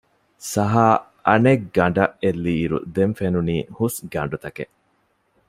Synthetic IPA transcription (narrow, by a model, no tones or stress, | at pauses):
sɐɦaː | ɐneɡɡɐɳɖɐʔelːiːɾṵd̪eɱfenuniːhusɡɐɳɖut̪ɐkḛʔ